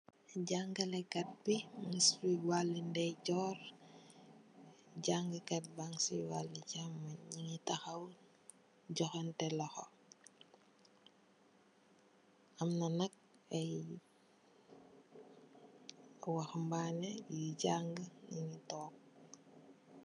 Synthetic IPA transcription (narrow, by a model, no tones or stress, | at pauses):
ɟaŋɡɐlɛkɐt̚binisiwalːindɛjɟɔːɾ | ɟaŋɡəkɐt̚baŋsiwalːiɟamːaɲɲiŋitaxɐw | ɟɔxɐntɛlɔxo̰ | ɐmnɐnɐk̚ | ɐj | waxmbanejɟaŋɡəɲiŋitɔːk̚